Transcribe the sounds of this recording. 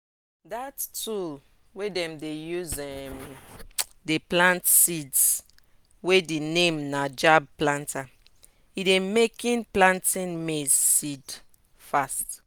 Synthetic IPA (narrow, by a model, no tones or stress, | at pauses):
datːul | wedɛ̃mdejuzɛm | deplãntsids | wedinẽmnad͡ʒab̚plãntʰa | idemekĩnplãntĩnmezsid | fast